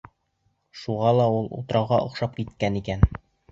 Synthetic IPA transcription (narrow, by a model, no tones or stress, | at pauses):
ʃuʁɑlˠɑulˠṵt̪̆ɾɑwʁɑʔŏ̰qʃɑp̚kit̪kænikæn